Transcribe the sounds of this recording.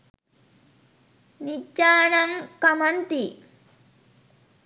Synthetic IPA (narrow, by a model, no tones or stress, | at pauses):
nit͡ʃːaːnɐmkɐmɐnt̪i